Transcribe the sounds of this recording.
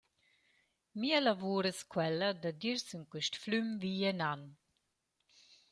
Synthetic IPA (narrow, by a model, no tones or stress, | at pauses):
mialavuːɾəskwɛlad̪əd̪iɾsəŋkwiʃt̪flymviɛnan